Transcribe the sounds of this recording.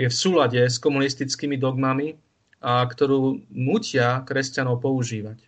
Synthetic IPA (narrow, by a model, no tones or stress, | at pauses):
jɛfsuːlaɟɛskɔmunist̪it͡skiːmid̪ɔɡmami | ʔakt̪ɔɾuːnuːcɪakɾɛscanɔʊpɔuʒiːʋac